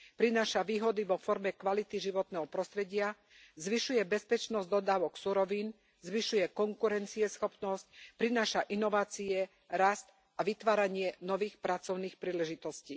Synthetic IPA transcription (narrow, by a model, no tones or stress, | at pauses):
pɾinaːʃaʋiːɦɔd̪iʋɔfɔɾmɛkʋalit̪iʒiʋɔt̪nɛɦɔpɾɔst̪ɾɛɟɪa | zʋiʃujɛbɛspɛt͡ʃnɔzd̪ɔd̪aːʋɔksuɾɔʋiːn | zʋiʃujɛkɔŋkuɾɛnt͡siɛsxɔpnɔsc̚pɾinaːʃaʔinɔʋaːt͡siɛ | ɾast̪ | aʋit̪ʋaːɾaɲɪɛnɔʋiːxpɾat͡sɔʊniːxpɾiːlɛʒit̪ɔsciː